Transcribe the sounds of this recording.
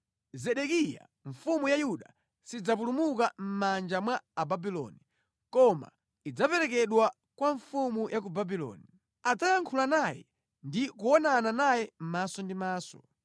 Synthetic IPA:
zɛɗɛkija̰ | ɱfumujajuɗa | sid͡zap̬ulumukam̩mand͡ʒamwaːbabilɔ̰ni | kɔma̰ | id͡zapɛɾɛkɛɗwa | kwaɱfumujʔak̬ubabilɔ̰ːni | ad͡zajaŋkʰulanajɛ | ndikuɔnananajɛm̩masɔndimaːsɔ̥

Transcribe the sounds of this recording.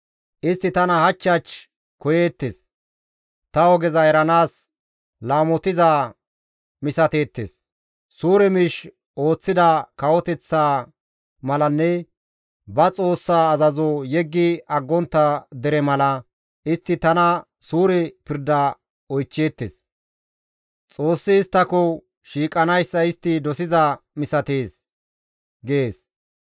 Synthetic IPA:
ʔɪst̪ːɪt̪ɐnɐhɐt͡ʃːat͡ʃ | kɔje̞ːt̪ːeːs | t̪ɐɔɡɛzɐɛɾɐnaːs | laːmɔt̪ɪza | mɪsɐt̪e̞ːt̪ːḛːs | suːɾɛmɪʃ | o̞ːt͡sːɪd̪ɐkɐwɔt̪ɛt͡sːaː | mɐlɐnːɛ | bɐt͡sʼo̞ːsːaːzɐzɔjɛɡːɪɐɡːɔnt̪ːɐd̪ɛɾɛmɐlɐ | ɪst̪ːɪt̪ɐnɐ | suːɾɛpɪɾd̪ɐ | ɔjt͡ʃːeːt̪ːḛs | t͡sʼo̞ːsːɪːst̪ːɐkɔ | ʃiːkʼːɐnɐjsːɐɪst̪ːɪd̪ɔsɪzɐmɪsɐt̪eːs | ɡeːs

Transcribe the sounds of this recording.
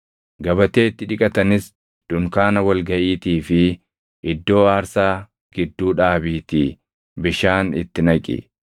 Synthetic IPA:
ɡɐβɐt̪e̞ːɪt̪ːɪᶑɪkʼɐt̪ɐnɪs | d̪̥ʊŋkaːnɐwɐlɡɐʔiːt̪iːfɪ | ʔɪd̪ːo̞ːaːɾsaː | ɡ̥ɪd̪ːuːᶑaːbiːt̪i | bɪʃaːnɪ̰t̪ːɪnɐkʼɪ̰

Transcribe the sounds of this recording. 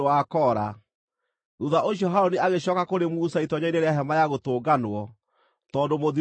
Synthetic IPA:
wakɔɾa | ɾuðaʔoɕiɔɦaɾoniaɣeɕɔːkakoɾemusaitɔɲaiɾeɾeaɦɛmajaɣotoːɡanwɔ | tɔːndomoði

